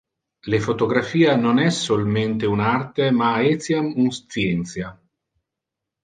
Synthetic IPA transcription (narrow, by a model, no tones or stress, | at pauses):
lefot̪oɡɾafiːanonɛsːolment̪eunart̪emaɛt̪sjamunst̪sjɛnt̪sja